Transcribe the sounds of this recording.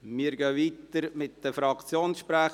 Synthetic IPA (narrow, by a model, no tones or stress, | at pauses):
mɪəɾɡœʋiːt̪əɾmɪt̚d̥əfɾɑkt͡sjoːnsʃpɾæ